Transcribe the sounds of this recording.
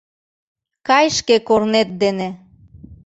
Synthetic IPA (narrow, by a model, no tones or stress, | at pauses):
kɑjʃkekornet̪̚d̪ene